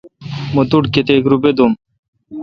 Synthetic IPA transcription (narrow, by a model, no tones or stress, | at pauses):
mot̪uʈket̪ekɾubed̪um